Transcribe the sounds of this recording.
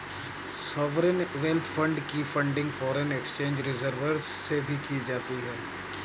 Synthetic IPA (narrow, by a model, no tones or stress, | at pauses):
sɔːʋɾənʋɛlt̪ʰfʰɐ̃ɳɖkifɐ̃ɳɖɪ̃ŋɡfɔːɾənekst͡ʃẽːɲd͡ʒɾɪzəɾʋəɾzːebʱikid͡ʒaːsiɦɛː